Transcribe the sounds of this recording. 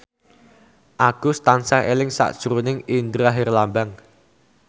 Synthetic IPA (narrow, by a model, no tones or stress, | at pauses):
ʔaɡ̥ust̪ansaelɪŋsa̰ʔd̥ʒ̥ɾunɪŋind̪ɾaɦɪrlambaŋ